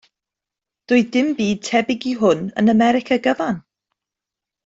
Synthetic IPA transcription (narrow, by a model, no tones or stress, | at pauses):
d̥ʊːɨdɪmbiːd̚tʰɛbɪɡiɦʊnə̰nəmɛɾɪkʰaɡəvan